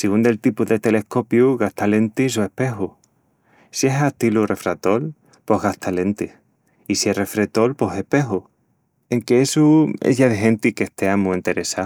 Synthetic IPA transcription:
siund̪e̞lt̪ipuðet̪e̞le̞hko̞pjuɣaht̪ale̞nt̪isue̞hpe̞ɦu | sie̞ɦaht̪ilure̞fɾat̪o̞l | po̞ɦɣaht̪ale̞nt̪i | isiere̞fɾet̪o̞lpo̞ɦe̞hpe̞ɦu | eŋkeesuḛʝaðeɦe̞nt̪ikeht̪eamuent̪e̞ɾesa

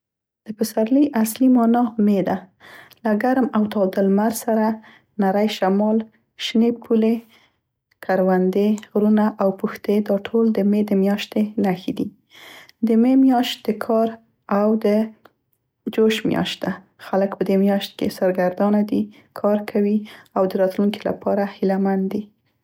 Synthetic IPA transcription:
d̪̥əpəsaɾləjʔaslimɑnɑmed̪alaɡaɾmawt̪ɑd̪əlmaɾsaɾa | naɾajʃamɑl | ʃnepʰule | kʰaɾwand̪eɣɾunaʔawpuxt̪ed̪ɑʈʰold̪əmed̪əmjɑʃt̪enaxid̪i | d̪əmemjɑʃt̪̚d̪̥əkʰɑɾ | awd̪ə | d͡ʒoʃmjɑ̰ʃt̪̚d̪a | xaləkpəd̪emjɑʃt̪̚kesaɾɡaɾd̪ɑnad̪i | kʰɑɾkʰawiawd̪əɾɑt̪luŋkila̰pɑɾahɪlamand̪i

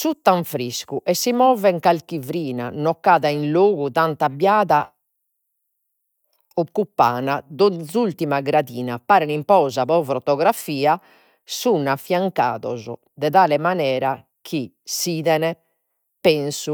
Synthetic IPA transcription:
sut̪ːaɱfɾiskuʔɛsːimɔːvɛŋkalkivɾiːna̰nɔkːaːðainloːɣuðant̪abjaːða | okːupːa̰ːnad̪ɔzult̪imaɡɾaðiːnapaːɾɛnimpɔːzapɔfɾɔt̪ɔɣɾafiːa | sunafːjaŋka̰ːðɔ̰zɔ | d̪ɛðaːlɛmanɛːɾa | k̟i | siːðɛnɛ | pɛnsu

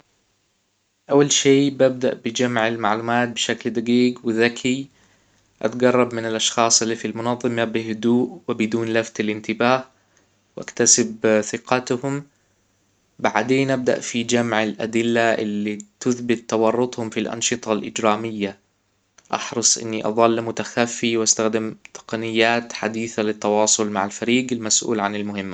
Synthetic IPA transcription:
ʔawːalʃeːbab̚d̪aʔbɪd͡ʒamʕalmaʕluːmaːt̪̚bɪʃakld̪aɡiːɡwɪðakʰi | ʔa̰t̪ɡɑrˤːɑbmɪnaɪlʔɑʃxɑːsˤɪlːifilmʊnɑðˤːɨmabɪɦʊd̪uːʔwɪbɪd̪uːnlaft̪alʔɪnt̪ɪbaːh | wʔa̰kt̪asɪbθɪqɑt̪hʊm | baʕd̪eːnʔab̚d̪a̰ʔfid͡ʒamʕɪlʔa̰d̪ɪlːaʔɪ̰lːit̪ʊθbɪt̪ːɑwɑrˤːʊt̪ˤhʊmfilʔɑ̰nʃɨt̪ˤɑlʔɪd͡ʒɾaːmɪjːa | ʔɑ̰ħɾɨsˤʔɪ̰nːiʔɑ̰ðˤɑlːmʊt̪axafːiwʔast̪axd̪ɪmt̪ɪ̥qɑnɪjːaːt̪ħad̪iːθalɪt̪ːɑwɑːsˤʊlmaʕalfaɾiːɡɪlmasʔṵːlʕanɪlmʊhɪmːa

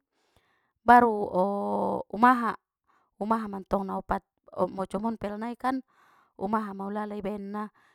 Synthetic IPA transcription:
baɾuɔumaɦa | umaɦamant̪ɔŋnaɔpat̪̚ɔ̰mɔt͡ʃɔmɔnpɛlanaikan | ṵmaɦamaulalaibɛnːa

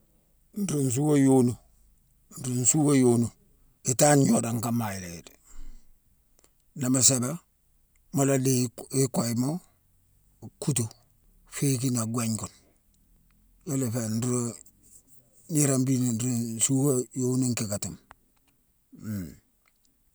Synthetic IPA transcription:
n̩ɾuns̬uwajonu | n̩ɾunsuwajonu | itanjodaŋkamajiled | namaseba | moladeikoimo | kut̬o | fekinaɡweɲkon | jolefenɾo | niɾambinnɾunsuwajonuŋkikatum

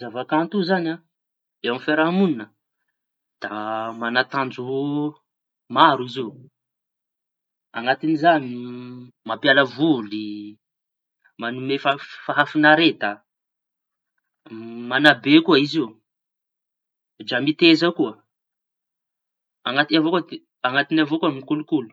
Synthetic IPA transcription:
zavakant̪uzana | ewamfeɾaɦamuninə | d̪̥amanat̪and͡ʒu | maɾuiziw | aŋat̪inizani | mapjaləvuli | manumefafaɦafinaɾet̪a | manabekuaiziu | d͡ʒamit̪ezakuə | aŋat̪inavokud̪e | aŋat̪inavokuamimikulukulu̥

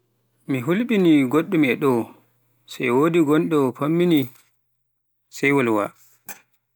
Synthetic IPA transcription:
miɦulɓiniɡoɗːumɛɗɔw | sajwoːdiɡɔnɗɔpʰamːini | sɛjwɔlwa̰

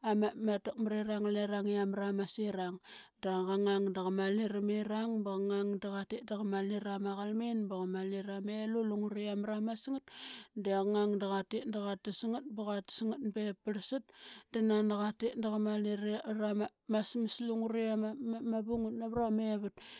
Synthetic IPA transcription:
amamatak̚maɾeɾaŋleɾaŋiamɾamasiɾaŋ | daɡaŋaŋdaɣamaliɾameɾaŋbaɣaŋaŋdaɣatitdaɣamaliɾamaɣalmenbaɣamaliɾameluluŋuɾiamɾamasŋat̚deɣŋaŋdaɣatetndaɣatisiŋat̚baɣatsŋat̚bepaɾsit̚danandaɣatetndaɣamaliɾɾamasmisluŋuɾiamamabuŋutnaβɾameβut̚

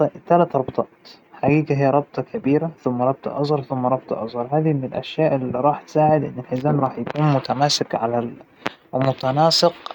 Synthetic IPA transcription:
t̪alat̪ɾˤɑbt̪ˤɑːt̪ | ħaɡiːɡaɦijːaɾˤɑb̚t̪ˤɑkʰabiːɾaθʊmːɑɾˤɑb̚t̪ˤɑ̰ʔɑzˤɑɾˤθʊmːɑɾˤɑb̚t̪ˤɑ̰ʔɑzˤɣɑɾˤɦaːd̪imɪnɪlʔa̰ʃjaːʔɪliɾˤɑːħt̪saːʕɪd̪ʔɪ̰nːɪlħɪzaːnɾˤɑːħjakuːnmʊt̪amaːsɪkʕalal | mʊt̪anɑːsˤɪq

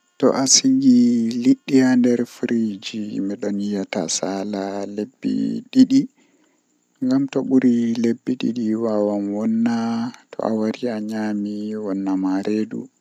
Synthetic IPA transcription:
tɔ̰ʔasiŋɡiliɗːijandɛɾfɾid͡ʒimɛɗɔnijata̰salalebːḭɗiɗi | ŋɡamtɔɓuɾilebːiɗḭɗiwawamwɔnːatʰɔ̰ʔawaɾiaɲamiwɔnːamaɾʔeːdṵ

